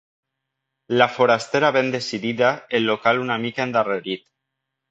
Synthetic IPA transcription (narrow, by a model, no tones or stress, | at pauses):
lafoɾast̪eɾaβend̪esiðiðaenːokalunamikaend̪areɾit̪